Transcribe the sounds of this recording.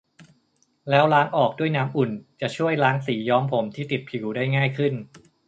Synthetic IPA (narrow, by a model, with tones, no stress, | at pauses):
lɛː˦˥wlaː˦˥ŋʔɔː˨˩k̚du˥˩əjnaː˦˥mʔu˨˩nt͡ɕa˨˩t͡ɕʰu˥˩əjlaː˦˥ŋsiː˩˦jɔː˦˥mpʰo˩˦mt̪ʰiː˥˩t̪i˨˩t̪̚kʰi˨˩˦wdaː˥˩jŋaː˥˩jkʰɯ˥˩n